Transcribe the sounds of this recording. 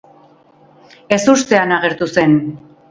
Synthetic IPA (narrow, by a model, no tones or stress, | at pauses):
e̞sust̪e̞anaɣe̞ɾt̪use̞n